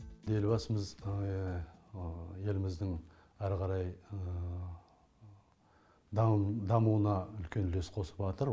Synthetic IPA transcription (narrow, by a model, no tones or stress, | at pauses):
d̪e̞lbɑsəməz | je̞lɪmɪzd̪ɪŋ | æɾqɑɾɑjə | d̪d̪ɑmuwənɑʏlkʲe̞nlesqʰo̞sə̥pʒɑt̪əɾ